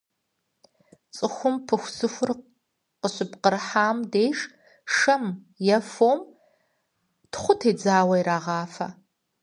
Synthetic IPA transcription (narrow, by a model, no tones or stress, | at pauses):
t͡sʼɨxʷʊmpʰɨxʷsɨxʷʊr | qəɕɪpqərħaːmdeːjʂ | ʂɐm | jɛfoːm | tχʷʊtʰeːd͡zaːwɐjɾaːʁɑːfɐ